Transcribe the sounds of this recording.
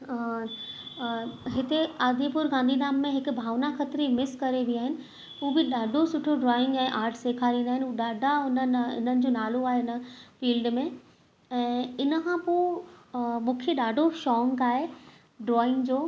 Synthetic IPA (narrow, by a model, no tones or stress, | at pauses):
ɦɪt̪eaːd̪ʱipʊɾɡãːnd̪ʱid̪aːmːẽɦɪkʊ̆bʱaːʋnaxɐt̪ɾimɪskɐɾeʋiaːɦɪnɪ̆ | uːbɪɗaːɖʱosʊʈʰoɖɾɔːɪ̃ŋɡɛ̃ːʔaːɾʈʰseːkʰaɾĩːnd̪aːɦɪnɪɗaːɖʱaʊnənɪ̰n̤ənɪ̆d͡ʑoːnaːloaːɦeɪnə̆fiːlɖmẽ | ɛ̃ːɪnəkʰãpoː | mʊ̃kʰjəɗaːɖʱoʃɔːŋɡaːɦe | ɖɾɔːɪ̃ŋɡd͡ʑoː